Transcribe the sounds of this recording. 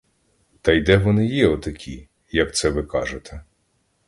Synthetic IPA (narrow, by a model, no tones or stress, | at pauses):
t̪ɐjd̪ɛʋɔnɪjɛɔt̪ɐkʲʰi | jɐk̚t̪sɛʋɪkɑʒet̪ʰɛ